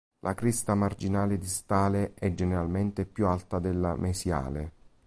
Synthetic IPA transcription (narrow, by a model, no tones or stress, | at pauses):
lʔakɾist̪amard͡ʒinaːled̪ist̪aːleʔɛd͡ʒːeneɾalment̪epjualt̪ad̪elːamʔesja̰ːle